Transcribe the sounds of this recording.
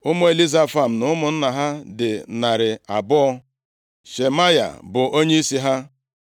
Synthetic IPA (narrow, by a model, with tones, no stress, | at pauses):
ʊ˦mʊ˦e˨li˦za˦fa˨m̩˨nʊ˦mʊ˨n̩˦na˨ɦa˦dɪ˨na˨ɾɪ˨a˨bʊ˦ɔ˦ | ʃe˨ma˦ja̰˨bʊ˨ʔo˦ɲe˦i˦si˦ɦa˦